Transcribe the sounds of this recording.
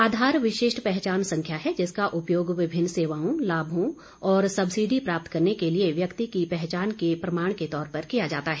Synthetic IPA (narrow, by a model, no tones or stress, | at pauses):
aːd̪ʱaːɾʋɪʃeːʃʈpɛɦt͡ʃaːnsɐ̃ŋkʰjaɦɛd͡ʒɪskaʔʊpjoːɡʋɪbʱɪnːseːʋaːõlaːbʱõ | ɔːɾsɐbsid̪ʱipɾaːp̚t̪kɐɾnekelieʋjɐkt̪ikipɛɦt͡ʃaːnkepɾɐmaːɳ̃ket̪ɔːɾpɐɾkijad͡ʒaːt̪aɦɛː